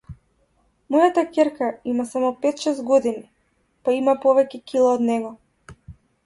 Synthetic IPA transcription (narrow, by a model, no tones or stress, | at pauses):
mɔjat̪akʲɛɾkaimasamɔpɛt̪ʃɛst̪ɡɔd̪ini | paimapɔvɛcɛcilˠaːd̪nɛɡɔ